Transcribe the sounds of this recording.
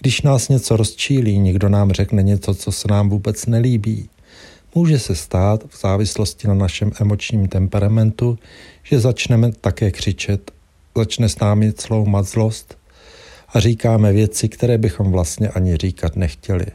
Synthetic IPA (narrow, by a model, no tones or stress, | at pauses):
ɡ̥dɪʃnaːsɲɛt͡so̞ɾo̞st͡ʃiːliːɲɛɡdo̞naːmr̝ɛknɛɲɛt͡so̞t͡so̞sɛnaːmvuːbɛt͡snɛliːbiː | muːʒɛsɛst̪aːt̪vz̥aːvɪslo̞scɪnanaʃɛmʔɛmo̞t͡ʃɲiːmt̪ɛmpɛɾamɛnt̪uʒ̥ɛzat͡ʃnɛmɛt̪akɛːkr̝̥ɪt͡ʃɛt̪ | zat͡ʃnɛsnaːmɪt͡slo̞wmat̪zlo̞st̪ | ʔariːkaːmɛvjɛt͡sɪkt̪ɛɾɛːbɪxo̞mvlast̪ɲɛʔaɲɪr̝iːkat̪nɛxcɛlɪ̰